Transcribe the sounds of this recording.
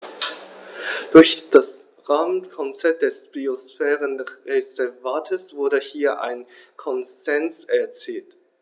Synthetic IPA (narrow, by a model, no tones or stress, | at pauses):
d̥ʊɐçd̥as | ʁaːmənkʰɔnt͡sɛɐt̚d̥ɛsb̥iosfɛːʁənʁezɛɐvaːtʰəsv̥ʊɐdəhiːɐʔa̰ɪnkʰɔnz̥ɛnsɛɐt͡siːlt